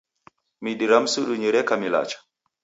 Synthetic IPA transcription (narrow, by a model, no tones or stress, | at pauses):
miɗiɾamsuɗuɲiɾɛkamila̰t͡ʃḁ